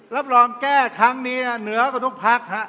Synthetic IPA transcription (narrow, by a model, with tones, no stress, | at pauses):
la˦˥˩p̚lɔː˧mkɛː˥˩kʰɾa˦˥ŋniː˧ha˧˩nɯ˩˦ɐkʰɔ˧˩t̪ʰu˦˥k̚pʰa˦˥k̚ha˦˥ʔ